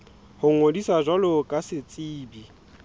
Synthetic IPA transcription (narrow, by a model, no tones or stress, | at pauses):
hʊŋ̩ŋodisaʒwalʊkʼasɪt͡sʼiːbi